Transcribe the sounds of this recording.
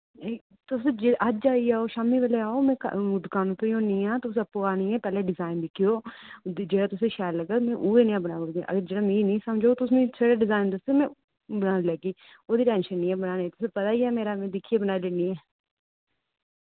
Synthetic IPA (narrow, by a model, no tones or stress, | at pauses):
e | t̪ʊsẽd͡ʒeʔəd͡ʒd͡ʒaːiːaːoːʃaːmiːʋeleːaːoːmɛ̃ːkːd̪ʊkaːnõːt̪ojõːnĩːãːt̪ʊsẽːəpːoːaːñiːɛːpɛːleːɖɪzaːɪnd̪ɪkʰːɪjoː | d͡ʒeːɽaːt̪ʊsẽːʃɛːlləɡaːmɛ̃ːʔuːeːnĩːãːbənaːoɡḛ̃ʔə̰ɡəɾd͡ʒeːɽaːmĩːnĩːsəmd͡ʒoːt̪ʊsnũːseːɽaːɖɪzaːɪnd̪əseːmɛ̃ː | bənaːnlɛːɡiː | oːd̪iːʈɛ̃ːnʃənːĩːɛ̃ːbənaːnːt̪ʊsẽːpət̪aːiːɛːmeːɾaːmẽːd̪ɪkʰːieːbənaːleːniːɛː